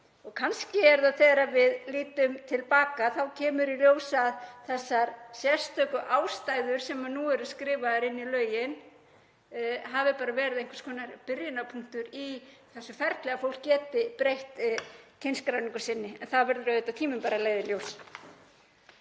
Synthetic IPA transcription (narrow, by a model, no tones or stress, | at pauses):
ɔɣkʰanscɪɛɾðaθeːɾavɪðliːt̪ʏmt̪ʰɪlpaːkaθawcʰɛːmʏɾiljoːwsaðθɛsːaɾsjɛ̥st̪œkʏʔaːwst̪ajðʏɾ̥sɛmanuɛɾʏskɾɪːvaɾɪnːilœːɥjɪn | ɦavɪpaːɾavɛːɾɪðejŋkvḁskʰɔːnaɾpɪɾjɪnapʰuŋ̥t̪ʏɾi | θɛsːʏfɛɾt̪lɛɣafowl̥kjɛːt̪ɪpɾejht̪cʰejnskɾawniŋkʏ̥sɪnːɪɛnθaðvɛɾðʏɾœɥðɪt̪awt̪ʰiːmʏmpaːɾaleːjðɪljoːws